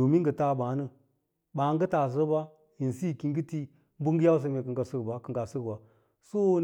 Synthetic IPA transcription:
o˨mi˦ŋɡə˨ta˦˨ba˨˦nə˦ | ɓa˨˦ŋɡə˦ta˨zə˦ba˦ | ji˨n˨si˦˨ki˨ŋ˦ɡə˦ti˦ | m˦bu˦ŋ˦ɡə˦ja˦ws̬ə˧me˨kə˨ŋɡa˨sə˦ɡba˨˦kə˨ɡa˨sə˦ɡba˨ | so˦

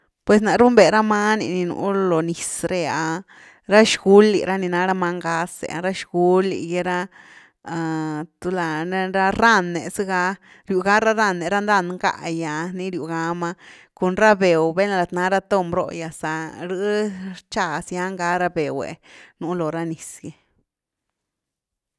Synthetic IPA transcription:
pwe˨s̬na˨ɾu˦mbe˨ɾa˦ma˦nḭ˨ni˧nṵ˧˦lo˨ni˨sɾe˧ja˨˧ | ɾa˦ʃɡu˦lːḭ˨ɾa˦ni˧na˧ɾa˧ma˧˦ŋɡa˦sḛ˨a˧ɾa˦ʃɡu˧lḭ˨je˦ɾa˦˧ | a˨t̪u˦la˧˦ɾa˦ɾa˦nːe˨sɨ˦ɡa˧˦ | ɾju˨ɡa˦ɾa˦ɾa˦˧˨nːe˨ɾa˦nd̪a˦˧˨nŋɡa̰˧ja˨ni˦ɾju˨ɡa˧˦ma˧ | ko˧nɾa˦be˨wbe˦n˧la˨t̪na˧˦ɾa˦t̪o˦mbɾo̰˧ja˧sa˨ɾɨ˧˦t͡ʃa˧sja˦ŋɡa˦ɾa˦be˨wḛ˨nu˧˦lo˨ɾa˧ni˨sɡe˨

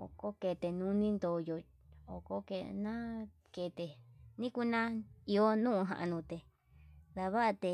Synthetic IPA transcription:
o̰˨ko˦ke˨t̪e˨nũ˧˦nĩ˦nd̪o˧˨jo˨ | o̰˨ko˦kḛ˧˨nã˦ | ke˧˨t̪e˨nĩ˦ku˧nã˦i˧o˧˦nũː˦ũ˧ɦã̰˨ʔã̰˧nũ˧t̪e˨ | d̪a˧βa˦ʔa˧t̪e˧

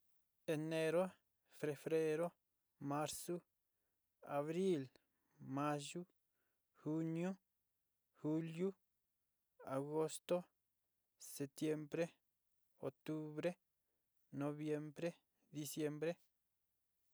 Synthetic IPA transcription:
e˧ne˧ɾo˦ | fe˧fɾe˦ɾo˦ | ma˦ɾsu˦ | a˨βɾi˦l | ma˦ʒu˦ | xu˦nju˦ | xu˦lju˦ | a˨ɡo˧st̪o˦ | se˨t̪je˧mbɾe˦ | o˨t̪u˦βɾe˦ | no˧βje˧mbɾe˦ | d̪i˧sje˧mbɾe˦

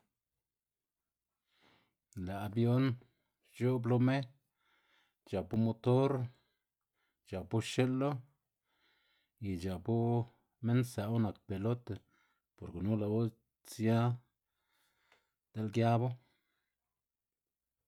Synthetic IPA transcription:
la˨a˧bjo˦n | t͡ʃo˦blo˧˦me˦ | t͡ʃa˨pu˦mo˧t̪o˦ɾ | t͡ʃa˨pu˦ʃe˦lːo˦ | i˨d͡ʒa˨pu˦ | me˦nsa˨o˦na˨k̚pe˨lo˦t̪ | po˨ɾke˨nu˦la˨bo˦ | t͡sja˦ | d̪̥e˦lɡja˦bo˦

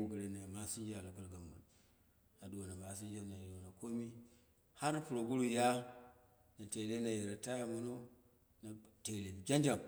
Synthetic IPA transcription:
ɡu˨ɾe˦na˨ma˦si˦nd͡ʒa˨lo˨ɡu˦˨lɡa˨mbṵ˨l | a˨do˨na˨ma˨s̬i˦n˦d͡ʒa˦na˨do˨na˨ko˦mi˦ | ha˦ɾna˦pu˨ɾo˨ɡu˦ɾu˦˨ja˦ | na˨te˨le˦na˨je˨ɾa˨ta˦ja˨mu˦no˦ | na˨te˨ɾe˨d͡ʒa˦n˦d͡ʒa˨m

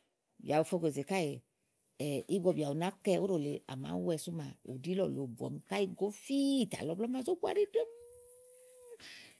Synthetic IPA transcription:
bja˨wo˨fɔ˧ke˨ze˨ka˦je˨ | ɛ˨i˦bɔ˧˨bi˨a˨o˨na˦kɛ˧o˦ɾo˨le˨a̰˨ma̰˨˦wɛ˧su˦ma˨o˨di˦lɔ̰˨lo˨bu˨ɔ̰˨m˧ka˦i˧ɡo˦fi˦˨ta̰˨lɔ˨˧blɔ˦ma˧˨zo˦ku˦a̰˨ɾi˦do˦m˦

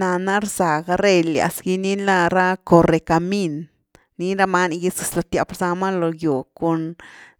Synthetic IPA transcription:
na˧na˦ɾza˨ɡa˦ɾe˦lja̰˨sɡi˧ni˦la˦˧ɾa˦ko˨ɾe˨ka˧mi˦nː | i˦ɾa˧ma˦n˧ɡe˧su˧slo˧t̪ja˧pɾza˧ma˦lo˧jo˨ko˧n

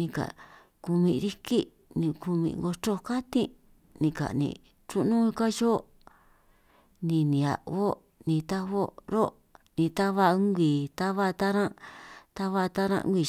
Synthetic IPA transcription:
nĩ˧ka̰˨ | ku˧mĩ˧ɾi˦ki˦ | nĩ˧ku˧mḭ̃˧ŋɡo˧to˦ka˦t̪ĩ˦ | nĩ˧ka̰˨nḭ̃˧˨ | t͡ʃu˦nũ˦˧ka˦ʒo˦ | nĩ˧nĩ˨a̰˨ʔβo˦ | nĩ˧t̪a˦βo˦ɾo˦ | nĩ˧t̪a˦βa˧˦ŋɡʷi˨t̪a˦βa˦t̪a˦ɾã˦t̪a˦βa˧t̪a˦ɾã̰˦˧ʔɡʷi˧

